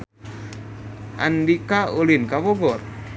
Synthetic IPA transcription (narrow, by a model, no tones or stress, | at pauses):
ʔa̰ndikaulinkawɔɡɔr